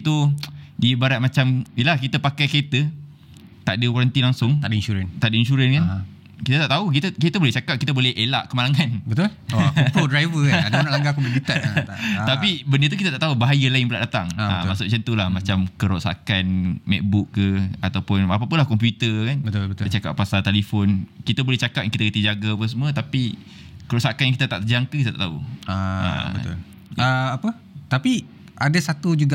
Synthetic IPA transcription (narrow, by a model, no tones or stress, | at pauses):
t̪udibaɾat̪̚mat͡ʃamilakit̪əpakajket̪ə | t̪aʔdəkwaɾənt̪ilaŋsʊŋt̪adəinʃuɾənt̪aʔdəinʃuɾənkan | kit̪ət̪aʔt̪auk̬it̪əkit̪əbolɛht͡ʃakap̚kit̪abolɛhʔela̰ʔkəmalaŋanbət̪ulpodɾajvəkadanalaŋɡakubənit̪at̪apibəndət̪̬ukit̪at̪aʔt̪aɦubaɦajəlaɪŋpəlaʔdat̪aŋa̰maʔsʊʔ̚t͡ʃənt̪ulahmãt͡ʃamkəɾosa̰kanmɛ̰k̚bukːəat̪awpʊnapapʊnlahkɔmp̬jut̪əkanbət̪ʊbət̪ət͡ʃaka̰pːasalt̪elifonkit̪abolɛht͡ʃakap̚jaŋkit̪akət̪id͡ʒaɡaapəs̬əmwət̪api | kəɾosakanjaŋkit̪at̪a̰ʔt̪əd͡ʒaŋkəkit̪at̪aʔt̪aṵaə̰bəʊ̰l | aapə | t̪api | adasat̪ud͡ʒuɡa